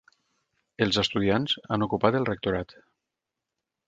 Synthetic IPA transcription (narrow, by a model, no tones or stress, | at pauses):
əlˠzest̪uð̞ianza̰nokupat̪əlˠrek̚t̪oɾat̪